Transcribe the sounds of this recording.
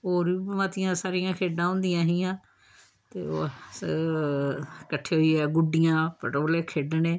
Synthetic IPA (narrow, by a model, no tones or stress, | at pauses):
oːɾiːmaːt̪ɪjãːsaːɾɪjãːkʰeːɖãːɦʊ̃ːnd̪ɪjãːɦiːãː | t̪ḛːo̰ː | kəʈʰːeːɦoiːɛːɡʊɖɪjãːpəʈːbleːkʰeːɖneː